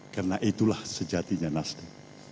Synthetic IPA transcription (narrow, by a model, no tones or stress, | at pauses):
karənaʔit̪ulahsəd͡ʒat̪iɲanasdi